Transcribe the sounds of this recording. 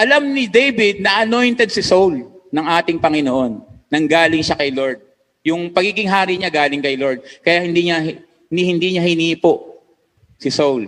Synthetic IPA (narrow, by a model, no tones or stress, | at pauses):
ʔɐlamnɪd̪ejbɪd̪̚nɐʔɐno̞jnt̪ɛd̪̚sɪsowlnɐŋʔaːt̪ɪŋpɐŋɪnoʔo̞nːɐŋɡaːlɪŋʃakɐjloɹd̪̚ | jʊŋpɐɡiːɡɪŋɦaːɾɪʔɲaɡaːlɪŋkɐjloɹd̪̚kɐjahɪnd̪iɲɐ | nihɪnd̪iːɲɐhɪniːpoʔ | sɪsowl